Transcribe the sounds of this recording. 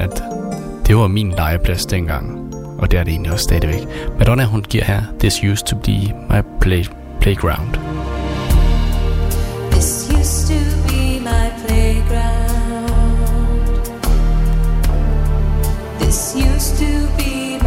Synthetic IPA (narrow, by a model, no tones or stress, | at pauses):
æd̥ | d̥e̝ʋɑ̈minlɑ̈ɪəpʰlæsd̥enɡ̥ɑ̈ŋ̰ | ʔɒd̥e̝æɐdee̝̰ːnliɒ̽sːd̥ɛːðiʋeɡ̥m̥æd̥ɒnæɦunɡ̥iɐ̰hæɐ̰ðɪsjuːstʰub̥imäɪpʰle | pʰleɪɡ̥ʁaʊnd̥ | ðɪsjʉstʰɨbimaɪpʰl̥eɪɡɹaʊʊ | nnd̥ | ðɪsjʉstʰɨbi